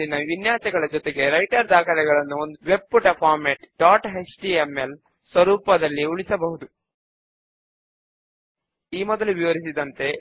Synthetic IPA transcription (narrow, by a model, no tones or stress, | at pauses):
inɐʋinjaːt͡ʃɐɡɐɭɐd͡ʒɔt̪eɡe̞ɾɐjʈɐɾd̪aːkɐlɛɡɐɭɐnːuond̪uʋe̞b̚puʈɐpʰaːɾmeʈɖaːʈɦet͡ʃʈiemːel | sʋɐɾuːpɐd̪ɐlːiuɭisɐbɐɦud̪u | iːmɔd̪ɐluʋiʋɐɾisid̪ɐnt̪e̞